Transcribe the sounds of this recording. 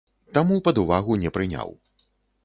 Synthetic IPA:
t̪amupɐd̪uvaɣunʲɛpɾɨnʲa̰w

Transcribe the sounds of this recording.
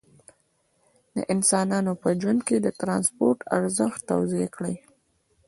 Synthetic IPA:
d̪ə̰ʔɪnsɑnɑnopəd͡ʒwand̪̚ked̪ət̪ɾɑnspoɾʈʰa̰ɾzəxt̪ːa̰wziakɽəj

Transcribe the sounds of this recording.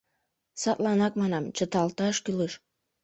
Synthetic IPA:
sɑt̪lˠɑnɑk̚mɑnɑmt͡ʃə̆t̪ɑlˠt̪ɑʃkyləʃ

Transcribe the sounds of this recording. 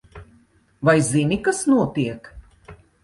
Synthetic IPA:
vajzinʲikasnuɔt̪iɛk

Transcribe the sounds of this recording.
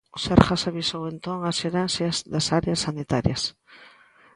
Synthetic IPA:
saɾxasaβisowent̪oŋaseɾansjɐzðasaɾeasːanit̪aɾjɐ̰s

